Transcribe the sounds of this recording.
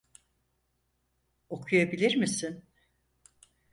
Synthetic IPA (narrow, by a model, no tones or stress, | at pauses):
o̞kʰujabilʲiɾmisin